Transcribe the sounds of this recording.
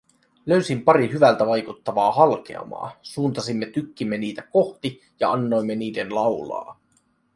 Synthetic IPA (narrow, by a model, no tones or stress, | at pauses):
løɥsimpɑɾiɦyʋælt̪æʋɑjkut̪ːɑʋɑːɦɑlk̟e̞̰ɑ̰mɑ̰ːsuːnt̪ɑsimːet̪ykːimːe̞niːt̪æko̞ht̪i | jɑ̰ɑnːo̞jmːe̞niːde̞nlɑwlɑ̰ː